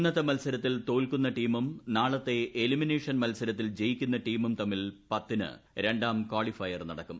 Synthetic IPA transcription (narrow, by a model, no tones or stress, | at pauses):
nːɐðɐmɐlsɐɾɐt̪ːilt̪o̞ːlkunːɐʈiːmumnaːɭɐt̪ːe̞ʔelimine̞ːʂɐnmɐlsɐɾɐt̪ːild͡ʑe̞jikʲːunːɐʈiːmumt̪ɐmːilpɐt̪ːinɨ̰ɾe̞ɳɖaːmkwaːɭifɐjɐrnɐɽɐkːum